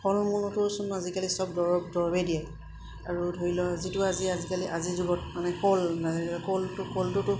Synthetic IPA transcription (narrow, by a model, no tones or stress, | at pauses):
pʰɔlmunɔtʊsunazikalisɔb̚dɔɹɔbdɔɹɔbɛdijaj | aɹudʱoɹilɔzitʊaziazikaliʔazizuɡɔt̚manɛkɔlnazaɹilakɔltʊkɔltʊtʊ